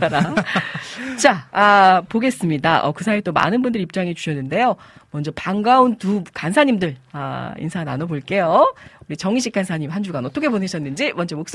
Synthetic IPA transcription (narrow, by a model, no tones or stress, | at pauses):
aɾa | t͡ɕaapoɡe̞s͈ɯmɲidaʔʌ̰kɯsʰaet͈oma̰nɯnbundɯɾip̚t͡ɕ͈aŋit͡ɕu̥ɕʰʌnːɯnde̞jo | mʌnd͡ʑʌpaŋɡauntukansʰaɲimdɯɭaḭnsʰananoboɭk͈e̞jouɾit͡ɕʌŋiɕʰik͈ansʰaɲimɦand͡ʑuɡanʌt͈ʰʌkʰeponɦeɕ͈ʰʌnːɯnd͡ʑimʌnd͡ʑemok̚s͈